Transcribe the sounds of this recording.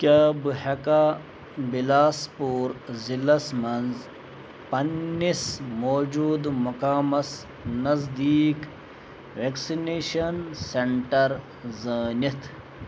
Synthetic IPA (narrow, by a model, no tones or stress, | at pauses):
kʲaːbɨhɐka | bilaːspuːɾzilɐsmɐnz | pɐnːismoːd͡ʒuːd̪mukaːmɐs | nɐzd̪iːk | ʋeksineːʃɐnseɳʈɐɾ | zɐːnit̪ʰ